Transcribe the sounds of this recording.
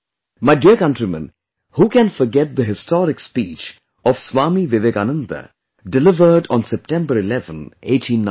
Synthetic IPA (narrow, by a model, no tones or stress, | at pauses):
maɪɖiəkʌ̃nʈɾimə̰̃n | huːkɛ̃nfɔɾɡɛt̚d̪əɦɪstɔːɾɪkspiːt͡ʃ | ɔʋsʋaːmiʋɪʋeɡanə̃nd̪ə̰ | ɖɪlɪʋəɾɖɔ̃nsɛp̚ʈɛ̃mbəɾɪlɛvə̰̃neːʈʰĩnːa